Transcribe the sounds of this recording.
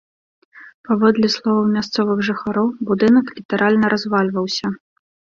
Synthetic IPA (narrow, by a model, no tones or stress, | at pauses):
pavɔd̪lʲɛslˠɔvɐwmʲast̪sɔvɨɣʐɨxaɾɔwbud̪ɨnɐklʲit̪aɾʔalʲnɐɾʔazvalʲvɐwsʲɐ